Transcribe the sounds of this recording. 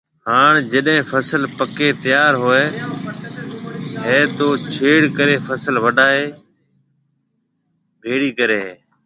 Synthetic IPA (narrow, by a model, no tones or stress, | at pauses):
haːɳ̃d͡ʒəɗɦẽːfʰəsəlpəkeːt̪əjaːɾɦoːeː | ɦeːt̪oːt͡ʃʰeːɽkəɾeːfʰəsəlʋəɗaːeː | bʱeːɽiːkəɾeːɦeː